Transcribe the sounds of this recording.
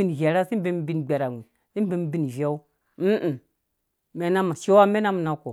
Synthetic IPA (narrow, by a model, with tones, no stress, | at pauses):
i˦n˨ve˨ɾa˦si˦m˦be˦m˦bi˦n˨ɡ͡be˨ɾa˨ŋi˨n | si˦bi˦m˦bi˦n˨ve˦u˦ | m̩˦ʔ̩˨ | me˨na˦ma˨ʃe˦wa˦me˦na˦m˨na˨ko˨